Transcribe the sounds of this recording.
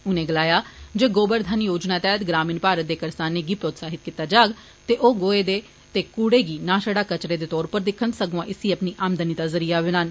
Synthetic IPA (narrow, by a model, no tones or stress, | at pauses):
ʊnẽːɡəlaːjaːd͡ʒeːɡoːbəɾd̪ʱənjoːd͡ʒnaːt̪ɛːɦət̪ɡɾaːmiːnpaːɾət̪̚d̪eːkəɾsaːnːeːɡiːpɾoːt̪saːɦɪt̪̚kit̪aːd͡ʒaːɡ | t̪eːʔoːɡoːeːd̪eː | t̪eːkuːɽeːɡiːnaːʃəɽaːkət͡ʃɾeːd̪eːt̪ɔːɾpəɾd̪ɪkʰːənsəɡãːʔɪsiːəpniːʔaːmd̪ənid̪aːzəɾiːaːʋɪnaːn